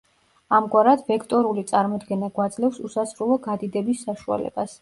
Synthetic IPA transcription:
amɡwaɾad̪vɛkʰt̪ʼɔɾulit̪sʼaɾmɔd̪ɡɛnaɡwad̪zlɛfsusasɾulˠɔɡad̪id̪ɛbisːaʃua̰lɛ̰b̥as

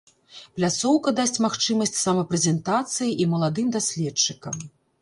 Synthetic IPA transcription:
plʲat̪sɔwkɐd̪asʲt͡sʲmaxt͡ʂɨmɐsʲt͡sʲsɐmɐpɾɛzʲɛnt̪at̪sɨjiʔimɐlˠad̪ɨmd̪asʲlʲɛt͡ʂːɨkɐm

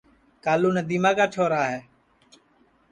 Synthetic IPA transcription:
kaːluːnəd̪iːmãːkaːt͡ʃʰoːɾaːɦeː

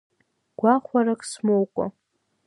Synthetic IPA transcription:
ɡ̥ʷaχʷaɾakʼsmowkʷʼa̰

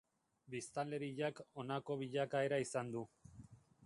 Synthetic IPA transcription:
bist̪ale̞ɾiʎako̞nako̞β̞iʎakae̞ɾaisand̪u

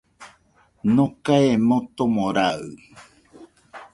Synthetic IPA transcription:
nõkaemot̪omõɾaɯ

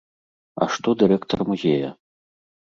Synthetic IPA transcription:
ɐ̰ʂt̪ɔd̪ɨɾɛkt̪ɐrmuzʲejɐ

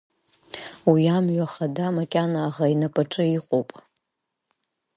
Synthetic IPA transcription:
wiamɥʷᶣaχadamakʲʼanaːʁainapʼaʈ͡ʂʼɨiqʷʼowpʼ

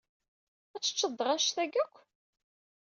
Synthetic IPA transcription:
æt͡sːə̥t͡ʃːəd̪ˤːʁɑʃθæɡækʷː

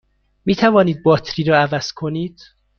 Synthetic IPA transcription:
miːt̪ʰævɒːniːd̪̚bɒːt̪ʰɾiːɾɒːævæz̥kʰoniːd̪̥

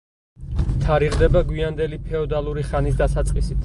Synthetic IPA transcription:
t̪ʰaɾiʁd̪ɛbaɡwiand̪ɛlipʰɛɔd̪alˠuɾiχanisd̪atsat̪sʼqʼisit̪ʰ

